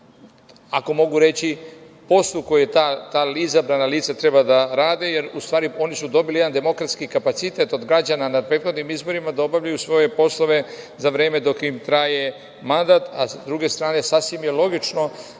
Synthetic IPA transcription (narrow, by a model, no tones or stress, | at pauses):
ako̞mo̞ɡuɾe̞t͡ɕi | po̞slˠuko̞jet̪at̪aːlizabɾanaliːt̪sat̪ɾe̞bad̪aɾaːd̪ejeɾust̪ʋaːɾio̞nisud̪o̞bilijd̪and̪e̞mo̞kɾat̪skikapat̪sit̪et̪o̞d̪ɡɾad͡ʑananad̪̚pɾet̪xo̞d̪nimizbo̞ɾimad̪ao̞bavʎajusʋo̞je̞po̞slˠo̞ʋe̞ | zaʋɾeːme̞d̪o̞kimt̪ɾaje̞ | mand̪aːt̪asd̪ɾuɡe̞st̪ɾaːne̞sasʋimjelo̞ɡit͡ʃno̞